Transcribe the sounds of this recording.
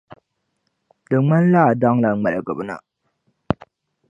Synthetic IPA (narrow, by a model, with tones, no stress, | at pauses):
dɨ˨ŋ͡ma˦n˦laː˦˨dɔ˦ŋla˨ŋ͡mɛ˨lɨ˨ɡɨ˨bna̰˨